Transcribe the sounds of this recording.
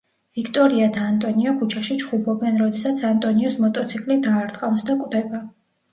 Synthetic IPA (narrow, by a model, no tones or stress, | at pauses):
v̥ikʰt̪ʼɔɾiad̪aːnt̪ʼɔniɔpʰut͡ʃʰaʃit͡ʃʰχubɔbɛnɾɔd̪ɛsat̪sʰant̪ʼɔniɔsmɔt̪ʼɔt̪sʰikʼlid̪aːɾt̪ʼqʼamsd̪akʼwd̪ɛba